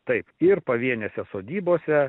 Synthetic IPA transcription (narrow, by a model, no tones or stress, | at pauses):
t̪ɐɪpɪɾpɐʋʲiɛnʲɛsʲɛsoːd̪ʲiːboːsʲɛ